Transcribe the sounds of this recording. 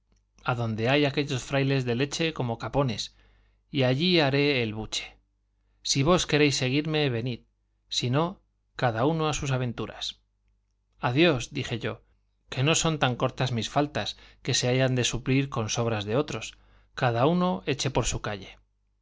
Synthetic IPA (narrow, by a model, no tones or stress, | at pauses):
aðo̞nd̪e̞ajake̞ʎo̞sfɾajle̞zðe̞le̞t͡ʃe̞ko̞mo̞kapo̞ne̞s | iaʝiaɾe̞ːlβut͡ʃe̥ | siβ̞o̞ske̞ɾejsːe̞ɣ̞iɾme̞βe̞nið | sino̞ | kaðauno̞asus̬aβ̞ẽ̞nt̪uɾa̰s | aðjo̞sd̪ixe̞ʝo̞ | ke̞no̞so̞nt̪aŋko̞ɾt̪azmisfalt̪aske̞se̞aʝand̪e̞supliɾko̞nso̞β̞ɾazðe̞o̞t̪ɾo̞s | kaðauno̞e̞t͡ʃe̞po̞ɾsukaʎe̞